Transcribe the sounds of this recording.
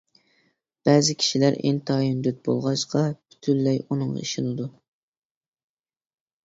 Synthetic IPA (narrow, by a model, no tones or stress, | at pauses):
b̥ɛːzɪkʲʰi̥ʃilæɾḛnt̪ʰɑjynd̪yt̪̚bo̰lˠʁɑʃqɑby̥t̪ʰylːɛjunɨŋʁɑ̰iʃɪnɨd̪u